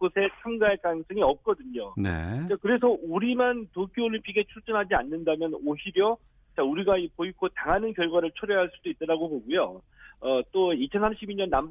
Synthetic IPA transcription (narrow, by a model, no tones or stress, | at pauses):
osʰe̞t͡ɕʰamɡaek͈ans͈ʰɯŋiʌp̚k͈ʌdɯɲonḛkakɯɾe̞s̬ʰʌuɾimantokʰooʎːimpʰiɡe̞t͡ɕʰut͡ɕ͈ʌnɦad͡ʑianːɯndamjʌnoiɾjʌ | t͡ɕauɾiɡaipoikʰotaŋɦanɯnkjʌɭɡwaɾɯɭt͡ɕʰoɾjeɦaɭs͈udoit͈̚ʌɾaɡoboɡujo | ʌt͈oit͡ɕʰʌnsʰamɕʰibiɲʌnːam